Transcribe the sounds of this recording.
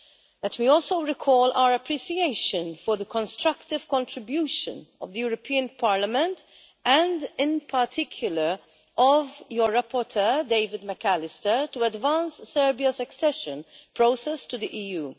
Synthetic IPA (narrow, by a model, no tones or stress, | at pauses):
lɛtmiɔːlsoʊɾɪkʰɔːlʔa̰ʊəɾɐpɾisieɪʃə̃nfɔɹðəkɔ̃nstɾɐkt̪ɪv̥kɔ̃ntɾɪbjuːʃə̰̃nɔ̰vd̪əjuːɾɔpʰiːə̃npʰaːɹləmɛ̃nt | ʔæ̃ndɪ̃npʰɐɾtʰɪkʰjʊləɹ | ʔɔvjɔɹɹapɔɾt̪ʰɜːdeɪvɪd̪mɛkælɪstətuɐdvãnsːɛɹbiɐsɐksɛʃə̃npɾoʊsɛstud̪iʔiːjuː